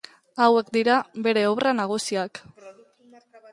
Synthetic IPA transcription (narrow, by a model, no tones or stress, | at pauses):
awe̞kd̪iɾaβe̞ɾe̞oβranaɣ̞usiak